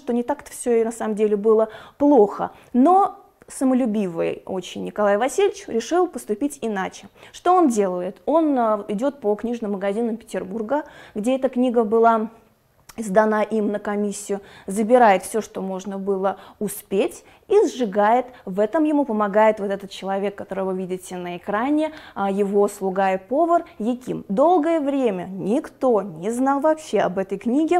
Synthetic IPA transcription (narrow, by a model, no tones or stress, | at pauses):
ʂt̪onʲɪt̪akt̪ə̥fsʲonɐsaməmdʲelʲɪbɨlˠəplˠoxə̰ | no̞ | səməlʲʊbʲivɨ̰jo̞̰t͡ɕɪnʲnʲɪkɐlˠajvɐsʲilʲɪt͡ɕɾʲɪʂɨlˠpəst̪ʊpʲitʲɪnat͡ɕɪʂt̪o̞ondʲe̞lˠəjɪt̪o̞nɪdʲo̞t̪̚pəknʲiʐnɨmːəɡɐzʲinəmpʲɪ̥tʲɪrburɡəɡdʲe̞ɛt̪əknʲiɡəbɨlˠa | ɪzd̪ɐnaʔimnəkɐmʲisʲːɪjʊzəbʲɪɾajɪt̪fsʲo̞ʂt̪o̞mo̞ʐnəbɨlˠəʊspʲetʲ | izʐɨɡajɪt̪vɛt̪əmjɪmupəmɐɡajɪt̪vo̞t̪ɛt̪ət̪t͡ɕɪlˠɐvʲe̞kːɐt̪o̞ɾɨjvɨvʲidʲɪtʲɪnəɪkɾanʲɪjɪvo̞slˠʊɡajɪpo̞vərjɪkʲḭmd̪o̞lˠɡəjəvɾʲemʲənʲɪkt̪o̞nʲɪznɑlˠvɐpɕe̞ɐ̰bɛt̪əjknʲiɡʲɪ